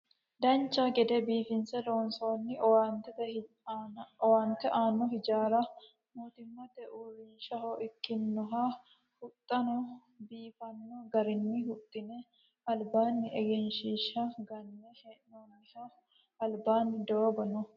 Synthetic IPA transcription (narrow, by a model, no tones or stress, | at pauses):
d̪ɐnt͡ʃːaɡɛd̪ɛbiːfɪnsɛloːnsoːnːɪwant̪ɛt̪ː | waːnt̪ɛʔaːnːɔɦɪd͡ʒaːɾɐ | moːt̪ɪmːɐt̪ɛʔuɾiːʃɐhoʔɪkːɪnːɔɦa | hʊt̪ʼːɐnɔ | biːfɐnːɔɡɐɾɪnːɪhʊt̪ʼːɪnɛ | ɐlbaːnːɪʔɛɡɛnʃiːʃɐɡɐnːɛhɛʔnoːnɐʃɐ | ɐlbaːnːɪd̪ɔobɐnɔ